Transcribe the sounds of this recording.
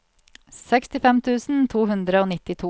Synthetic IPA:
sɛkst̪ɪfɛmt̪ʰʉːsn̩t̪ʰuːhʉnd̪ɾəoːnɪt̪ɪt̪ʰuː

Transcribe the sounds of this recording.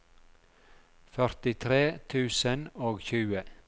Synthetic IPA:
fœɾt̪ɪt̪ʰɾeːt̪ʰʉːsənoːɡçʉːə

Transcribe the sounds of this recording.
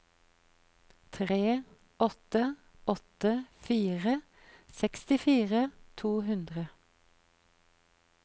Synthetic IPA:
t̪ʰʁeː | ɔt̪ə | ɔt̪əfiːʁə | sɛkst̪ɪfiːʁət̪ʰuːɦʉnd̪ʁə

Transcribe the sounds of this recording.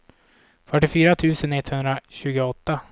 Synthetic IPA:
fœʈːɪfyːɾat̪ʰʉ̟ːsənɛt̪ːhɵnd̪ɾaɕʉ̟ːɡʊɔt̪ːa

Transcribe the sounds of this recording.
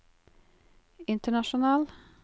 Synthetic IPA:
ɪnt̪əɳɑʃʊnɑːl

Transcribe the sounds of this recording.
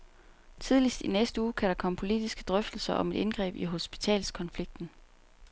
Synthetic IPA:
t͡sʰið̞ˠlisd̥inesd̥əuːkʰæɾ̥ɑ̈kʰɒ̽m̰pʰo̝lid̥isɡ̥əd̥ʁœfd̥l̩sɐʔɒ̽me̝d̥e̝nɡ̥ʁɛ̰ːb̥iɦo̝sb̥i̥t͡sʰɛ̰ːlskʰɒ̽nfliɡ̥̚d̥n̩

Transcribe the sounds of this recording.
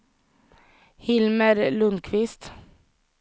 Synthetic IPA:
hɪlməɾlʉnkʰʋɪst̪

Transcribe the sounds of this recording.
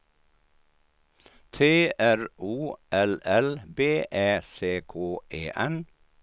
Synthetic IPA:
t̪ʰeːʔæɹuːʔɛlɛlbeːʔeːseːkʰoːʔeːʔɛn

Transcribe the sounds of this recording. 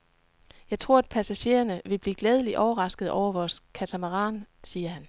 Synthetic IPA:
jɑ̈ɪt͡sʰʁo̝ɐ̰æd̥̚pʰæsæɕe̝̰ːɐnəʋe̝b̥lḭːɡ̥lɛð̞ˠəliʔɒʊɐʁɑ̈sɡ̥ð̞̩ˠɒʊ̰ɐʋɒːskʰæt͡sʰæmæʁɑ̰̈ːnsiːɐhæn

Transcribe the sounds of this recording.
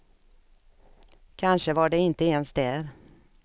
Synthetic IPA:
kʰanʂəvaɖɛɪnt̪əeːnst̪d̪ɛːɾ

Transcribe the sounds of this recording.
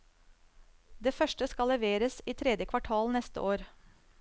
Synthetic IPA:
d̪eːfœʃʈəskɑlːɛʋeːɾəsiːt̪ʰɾɛd̪jəkʰʋɑʈʰɑːlnɛst̪ə̰ʔoːɾ

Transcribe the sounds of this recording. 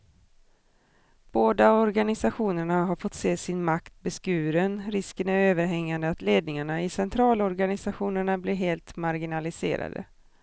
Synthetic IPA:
b̥oːd̪aɔɾɡanɪsaɧuːnəɳaɦaɾfɔt̪ːseːsɪnmakt̪̚bɛskʉ̟ːɾənɾɪskənæɾøːvəɾɦɛŋːand̪əat̪leːd̪nɪŋaɳaɪsɛnt̪ʰɾɑːlɔɾɡanɪsaɧuːnəɳablɪɾɦeːlt̪maɾɡɪnalɪsḛːɾa̰d̪ə̰

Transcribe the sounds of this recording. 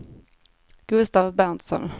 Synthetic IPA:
ɡ̥ɵst̪avbɛnt̪sɔ̰n

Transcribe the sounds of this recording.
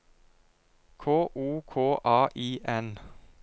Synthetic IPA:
kʰoːʔuːkʰoːʔɑːʔiːʔɛn

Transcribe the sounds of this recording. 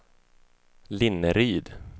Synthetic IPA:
lɪnːəɾyːd̪

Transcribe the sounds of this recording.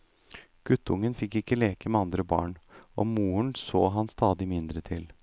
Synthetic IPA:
ɡ̥ʉt̪ːəʊŋːənfɪkːɪkːəleːkəmɛɑnd̪ɾəbɑ̰ːɳʔɔ̰muːəɳsoːɦɑnst̪ɑːd̪ɪmɪnd̪ɾət̪ʰɪl

